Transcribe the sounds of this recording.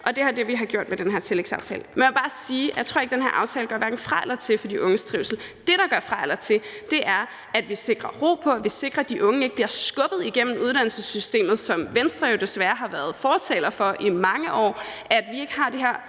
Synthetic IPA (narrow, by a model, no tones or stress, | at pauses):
ʔɒ̽d̥e̝æɐd̥e̝ʋiɦɑ̈ɡ̥jo̝ɐ̰d̥med̥enɦæɐ̰t͡sʰe̝leɡ̥sɑ̈ʊt͡sʰɛ̰ːləmenmɒb̥ɑ̈ːsiːjæ̰ɪt͡sʰoɐeɡ̥̚d̥enɦæɐʔɑ̈ʊt͡sʰɛːlɡ̥ɶɐ̰æɐɡ̥ŋn̩fʁɑlɐt͡sʰe̝lfɒ̽d̥iʔɔ̽ŋəsd̥ʁiʊsl̩d̥e̝ɾ̥ɑ̈ɡ̥ɶɐfʁɑlɐt͡sʰe̝ld̥e̝ʔæɐ | æd̥ʋise̝ɡ̥ʁɐʁo̝̰ːpʰɒ̽æʋise̝ɡ̥ʁɐd̥iʔɔ̽ŋəe̝ɡ̥əb̥liɐsɡ̥ɔ̽b̥ð̞̩ˠiɡ̥em̰m̩uð̞ˠɾ̥ænl̩səsysd̥e̝̰ːmð̩ˠsɒ̽mʋensd̥ʁɐjod̥e̝sʋæːɐɦɑ̈ʋæɐð̞ˠfɒːt͡sʰɛ̰ːlɐfɒ̽ʔimɑ̈ŋəʔɒ̰ːʔæd̥ʋie̝ɡ̥əɦɑ̈d̥iɦeɐ̰